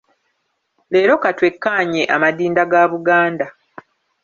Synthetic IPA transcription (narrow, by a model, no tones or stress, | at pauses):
le̞ːɾo̞katwe̞kːaːɲe̞ʔamadiːndaɡaːβuɡaːnda